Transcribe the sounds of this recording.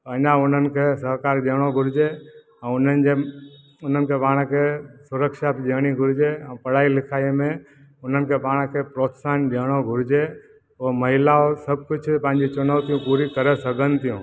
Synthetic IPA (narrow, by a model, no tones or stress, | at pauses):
t̪əɲãʊn̤ənɪ̆kʰesəɦkaːɾɗeːɽ̃oɡʱʊɾɪd͡ʒe | ɛ̃ʊnənɪd͡ʒe | ʊn̤ənɪ̆kʰepaːɽ̃kʰesʊɾəkʃabd͡ʒeːɽ̃iɡʱʊɾɪd͡ʒẽpəɽ̤aːilɪkʰaːemẽ | ʊn̤ənɪ̆kʰepaːɽ̃kʰepɾoːt̪sanɗeːɽ̃oɡʱʊɾɪd͡ʒe | oməɦɪlaosəb̚kʊt͡ʃʰpə̃ɦɪ̃ɲd͡ʒit͡ʃʊnəʋt̪ijũpuːɾikəɾesəɡənɪt̪ijũː